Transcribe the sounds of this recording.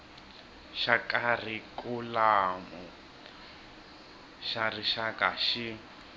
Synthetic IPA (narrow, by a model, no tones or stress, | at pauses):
ʃakʼar̤ikulamu | ʃariʃakaʃi